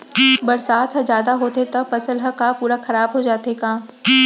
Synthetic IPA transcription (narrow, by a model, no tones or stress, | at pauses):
bɐɾsaːt̪ɦɐzjaːd̪aɦoːt̪et̪ɐpɐsəlɦɐkapuːɾaxɐɾaːbɦod͡ʒaːt̪ekaː